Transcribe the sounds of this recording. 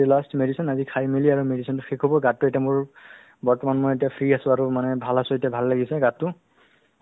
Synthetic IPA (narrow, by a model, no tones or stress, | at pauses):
lastmedisɔnazikʰajmeliaɹumedisɔntʊxekʰɦɔbɔɡatːʊetijamʊɹ | bɔɹtɔmanmojetiapʰɹiasʊ̃aɹumanɛbʱalasʊ̃etijabʱalːaɡisɛɡatːʊ